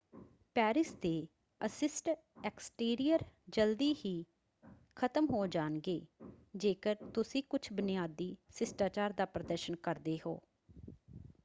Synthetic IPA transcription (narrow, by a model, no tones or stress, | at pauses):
pɛːɾɪsd̪eː | əsɪsʈ | ɛksʈiːɾijəɾd͡ʒəld̪iːhiː | kʰət̪əmɦoːd͡ʒaːnɡeːd͡ʒeːkəɾt̪ʊsĩːkʊt͡ʃʰbɪnijaːd̪iːsɪsʈaːt͡ʃaːɾd̪aːpɾəd̪əɾʃənkəɾd̪eːɦo̰ː